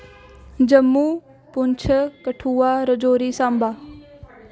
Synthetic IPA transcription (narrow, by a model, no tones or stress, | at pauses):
d͡ʒəmːuː | pʊɲt͡ʃʰəkəʈʰuːaːɾəd͡ʒoːɾiːsãːmbaː